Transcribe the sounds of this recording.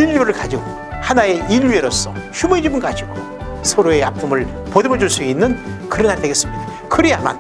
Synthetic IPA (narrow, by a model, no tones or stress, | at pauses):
iʎːoɾɯɭkad͡ʑiɡo | hanae̞iʎːueɾos͈ʌçumʌid͡ʑimɯnkad͡ʑiɡo | sʰʌɾoeapʰumɯɭ | podemʌd͡ʑuɭs͈uɡeinːɯnkɯɾʌnaɾteɡes͈ɯmɲid̥a | kɯɾiama̰n